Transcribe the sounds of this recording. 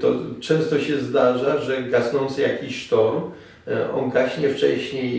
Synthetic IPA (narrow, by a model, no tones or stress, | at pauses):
t̪ɔ̰t͡ʂɛ̃w̃st̪ɔɕɛzd̪aʐaʐɛɡasnɔnt̪sɨjakʲiɕʂt̪ɔɾ | ɔ̰ŋɡaɕɲɛft͡ʂɛ̰ɕɲej